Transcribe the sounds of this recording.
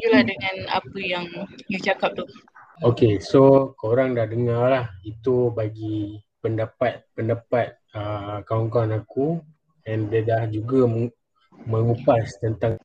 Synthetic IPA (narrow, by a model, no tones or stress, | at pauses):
d͡ʒulahdəŋãna̰pəjaŋjut͡ʃakap̚t̪uh | okesokoɾaŋdahdəŋarlahit̪ubaɡi | pəndapat̪̚pəndapat̪̚əkaɔŋkanaku | ɛ̃ndedahd͡ʒuɡa | məŋupast̪ənt̪aŋ